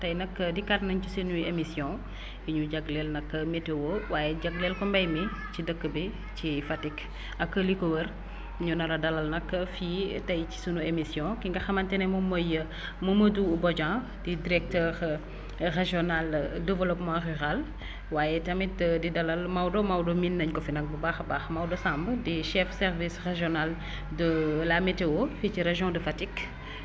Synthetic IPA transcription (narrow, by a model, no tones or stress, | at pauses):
tɐjnɐkːədikatnɐɲcisinuemisjɔ̃ | iɲuɟɐɡlɛlnɐkːɐmɛtewowaːjɛɟɐɡlɛlkɔmbɐjmi | cidəkːəbi | cifɐtik | ɐkːəlikowər | ɲunɐɾɐdɐlɐlnɐkːɐfitɐjci̥sunuemisjɔ̃kiŋɡɐxɐmɐntɛnɛmɐmojə | muməduːbɔɟã | didiɾɛk̚tɛːʁ | reʒjɔnaldɛvəlɔpmãryʁal | waːjɛtɐmitədidɐlɐlmɐwdɔmɐwdɔminːɐɲkɔfinɐk̚bubaːxɐbaːxmɐwdɔsãːmbədiʃɛfsɛrvisʁeʒɔnal | dəlameteoficiɾeʒjɔ̃dəfatik